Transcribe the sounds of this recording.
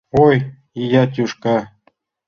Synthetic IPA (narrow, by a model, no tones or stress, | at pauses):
oj | ijɑt̪̬ʲuʃkɑ